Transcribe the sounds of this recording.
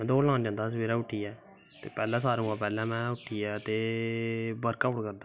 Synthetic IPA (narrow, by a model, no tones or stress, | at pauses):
ɛ̃ːd̪oːlãːnd͡ʒãːnd̪aːs̬əʋiːɾaːʊʈʰːiːɛː | t̪ḛːpɛːlɛ̃ːs̬aːɾũãːpɛːlɛ̃ːmɛ̃ːʊʈʰiːɛːt̪eː | bəɾkəpkəɾd̪a